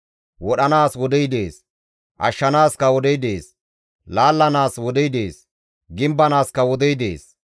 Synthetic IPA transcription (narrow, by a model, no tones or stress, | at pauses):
wɔɗɐnaːswɔd̪ɛjd̪e̞ːs | ʔɐ̰ʃːɐnaːskɐwɔd̪ɛjd̪e̞ːs | laːlːɐnaːswɔd̪ɛjd̪eːs | ɡɪmbɐnaːskɐwɔd̪ɛjd̪e̞̰ːs